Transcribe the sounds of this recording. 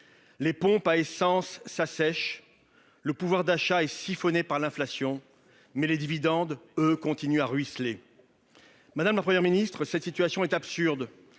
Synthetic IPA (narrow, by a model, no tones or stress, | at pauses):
lepɔ̃paesɑ̃sːasɛʃ | ləpuvwaʁd̪aʃaɛsifɔnepaʁlɛ̃flasjɔ̃ | mɛled̪ivid̪ɑ̃d̪økɔ̃t̪inyaʁɥisle | mad̪amlapχəmjɛʁminist̪χəsɛt̪sit̪ɥasjɔ̃ɛt̪apsyʁd̪